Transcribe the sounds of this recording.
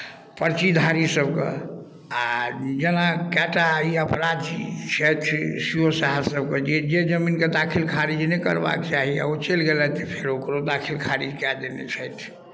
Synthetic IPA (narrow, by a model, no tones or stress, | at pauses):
pəɾt͡ʃid̪ʱaɾisəbkḛ | ad͡ʒenakaʈaiəpɾad̪it͡ʃʰət̪ʰsijosaɦasəb̚ked͡ʒed͡ʒed͡ʒəminked̪akʰilkʰaɾid͡ʒnɛkə̰ɾba̰kt͡ʃaɦia̰ot͡ʃelɡelɛt̪ʰipʰeɾokɾod̪akʰilkʰaɾid͡ʒkad̪enḛt͡ʃʰəjt̪ʰ